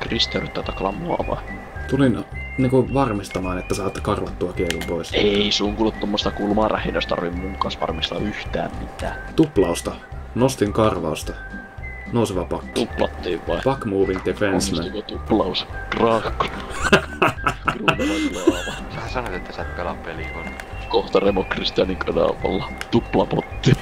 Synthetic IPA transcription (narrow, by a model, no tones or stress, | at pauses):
krist̪eryt̪ːæt̪ɑkːɑlɑmmoɑ̰ʋɑ̰ | t̪ulin | niːŋkuʋɑrmist̪ɑmɑːnet̪ːæsɑːt̪ːkɑrʋɑt̪ːuɑkielumpoiseisuŋkult̪t̪omːost̪ɑkulmɑːræ̰hinøst̪ɑ̰rʋimmuŋkːˑɑːsʋɑ̰rmist̪ɑ̰yht̪æ̰ːmmit̪æ̰ː | t̪uplɑust̪ɑ | nost̪iŋkɑrʋɑust̪ɑ | nouseʋɑpɑkːiuplɑ̰t̪ːiːʋʋɑipɑkmuːʋiŋt̪ːefenssæt̪okot̪uplɑuskrɑːkːo̥nɑ | krunɑslɑːʋɑ | sæsɑnot̪et̪ːæsætkɑlɑpːˑelikonkoht̪ɑremokrist̪iɑniŋkɑdɑ̰ʋɑ̰lːɑt̪uplɑpot̪ːi